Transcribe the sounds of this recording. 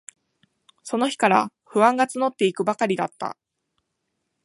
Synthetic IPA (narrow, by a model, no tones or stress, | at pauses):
so̞no̞çi̥kaɾa | ɸɯ̟βãŋɡat͡sɨno̞t̪ːe̞ikɯ̟bakaɾʲid̪at̪ːa̰